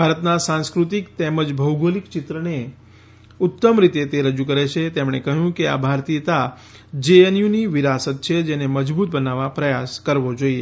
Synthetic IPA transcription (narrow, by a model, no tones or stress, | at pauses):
bʱaɾət̪nasãnskɾut̪ikt̪ɛməd͡ʒbʱəwɡolikt͡ʃɪt̪ɾəne | ʊt̪ːəmɾit̪et̪eɾəd͡ʒũkəɾet͡ʃʰet̪emɽ̃ekəɦjũkea̰bʱaɾt̪ijət̪a | d͡ʒeenjuniʋiɾasət̪̚t͡ʃʰed͡ʒeneməd͡ʒbut̪̚bənaʋapɾəjaskəɾʋod͡ʒoie